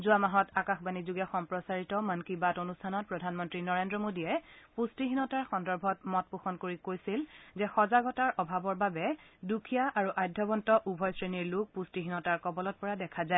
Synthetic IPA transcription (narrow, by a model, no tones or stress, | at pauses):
zuamaɦɔtakaxbanizuɡɛxɔmpɹɔsaɹitɔmənkibatonustʰanɔt̚pɹɔdʱanmɔntɹinɔɹendɹɔmodiɛpustiɦinɔtaɹxɔndɔɹbʱɔtmɔt̚puxɔnkoɹikojsilzɛxɔzaɡɔtaɹʔɔbʱabɔɹbabɛdukʰijaʔaɹuʔajdʱːɔbɔntɔʔubʱɔjsɹeniɹluk̚pustiɦinɔtaɹkɔbɔlɔt̚pɔɹadɛkʰazaɛ